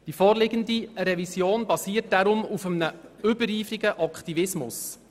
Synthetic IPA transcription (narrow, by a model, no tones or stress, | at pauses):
d̥ifɔːɾlɪɡəndiɾɛvisjoːnbɑsiːərtd̥ɑɾʊmufəmənəʏbəɾiːfɾiɡəʔɑkχt̪ivɪsmʊ̰s